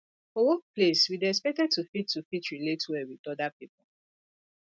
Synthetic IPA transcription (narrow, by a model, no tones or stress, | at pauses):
fɔwɔk̚pʰleswid̪ɛspɛk̚tɛd̚tʰufid̚tʰufitʰɹiletʰuɛwidɔd̪apʰipɔl̩